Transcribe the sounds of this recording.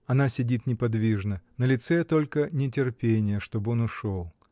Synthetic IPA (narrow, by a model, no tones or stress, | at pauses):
ɐnasʲɪdʲit̪nʲɪpɐd̪vʲiʐnənəlʲɪt̪sɛt̪o̞lʲkənʲɪtʲɪrpʲenʲɪjəʂt̪o̞bəo̞nʊʂolˠ